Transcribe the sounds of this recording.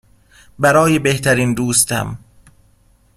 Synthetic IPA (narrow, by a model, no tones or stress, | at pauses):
bæɾɒːjebeht̪ʰæɾiːnd̪uːst̪æ̰m